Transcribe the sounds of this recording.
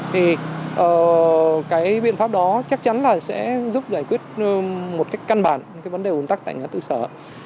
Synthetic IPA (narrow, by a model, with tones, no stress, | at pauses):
t̪ʰi˨˩ʔəː˨˩kaː˨˦jɓḭ˧˨ənfaː˦˥p̚ɗɔ˨˦t͡ɕa˦˥k̚t͡ɕa˨˦nlaː˨˩sɛ̰˧˥zu˦˥p̚zaː˧˩jkwi˦˥ət̚ːmo˨˩t̚ka˦˥jk̟ka˧nɓaː˧˩nkaː˨˦jvə˨˦nɗe˨˩ʔu˨˦t̪a˦˥k̚t̪ːŋaː˨˦t̪ɨ̰˧˨səː˧˩